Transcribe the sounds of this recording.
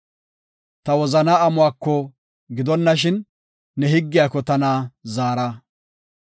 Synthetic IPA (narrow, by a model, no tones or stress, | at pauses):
t̪ɐwɔzɐnaːɐmʊwaːkːɔ | ɡɪd̪ɔnːɐʃ̬ɪnː | ɛɦɪɡːɪjaːkːɔt̪ɐnaːzaːɾa